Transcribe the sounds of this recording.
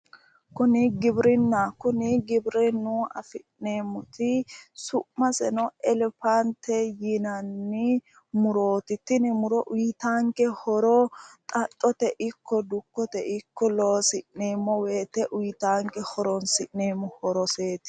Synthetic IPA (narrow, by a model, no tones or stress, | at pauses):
kʊnɪɡɪbɾɪnːakʊnɪɡɪbɾɛnːuɐ̰fɪʔneːmʊt̪ɪsʊʔmɐsɛnɔɛlɛpant̪ɛjɪnɐnːɪ | mʊɾoːt̪ɪt̪ːɪnɪmʊɾɔʔʊjt̪aːŋkɛhɔɾɔt̪ʼɐtʼːɔt̪ɛʔɪkːɔd̪ʊkːɔt̪ɛʔɪkːɔloːsɪʔneːmːɔweːt̪ɛʔʊjt̪aːŋkɛhɔɾɔnsɪʔneːmːɔhɔɾɔseːt̪ɪ̥